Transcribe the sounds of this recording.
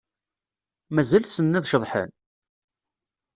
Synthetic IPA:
mæzælsənːæðʃəðˤħə̰n

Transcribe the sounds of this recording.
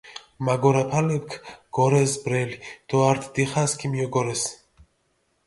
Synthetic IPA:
maɡɔɾapʰalɛpkʰɡ̥ɔɾɛsbɾɛlid̪̥ɔaɾt̪ʰd̪iχaskʰimijɔɡɔɾɛs

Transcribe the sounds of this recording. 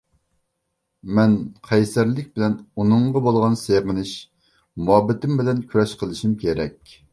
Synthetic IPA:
mɛnqʰɛjsæɾlɪk̚ʲbɪlɛnunɨɴʁɑbolˠʁɑnseʁənɨɪʃ | mɑbɪt̪ɪmbɪlɛnkʲʰyɾɛʃqʰəlˠɨʃimkʲʰeɾɛkʲ

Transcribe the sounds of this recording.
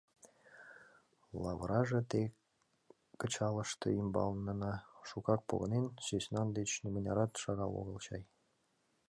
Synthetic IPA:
lˠɑβɾɑʒĕt̪e | kə̆t͡ɕɑlə̆ʃt̪ɤ̰imbɑ̰lnɤ̆nɑʃukɑk̚po̰ɣənensøsʲnɑnd̪et͡ɕnʲemənʲɑɾɑt̪ʃɑɣɑlo̰ɣə̆lt͡ɕɑ̰j

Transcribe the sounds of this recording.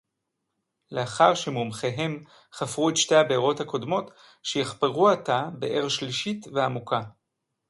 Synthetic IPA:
le̞aχaʁʃemomχe̞ɦe̞m | χafʁuetʃte̞jabeːʁo̞thako̞dmo̞t | ʃejiχpeʁuatabe̞̰ʔeʁʃliʃitveamukʰa

